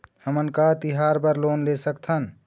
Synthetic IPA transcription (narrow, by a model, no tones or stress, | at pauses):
həmənkat̪iɦaɾbəɾlonlesəkt̪ʰən